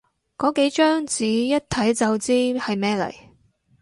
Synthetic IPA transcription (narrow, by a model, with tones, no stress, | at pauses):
kɔː˨˥ke˨˥jt͡ʃœː˥ŋt͡siː˨˥jɐ˥t̚t̪ʰɐ˨˥jt͡sɐ˨wt͡siː˥hɐ˨jmɛː˥lɐ̰˨˩j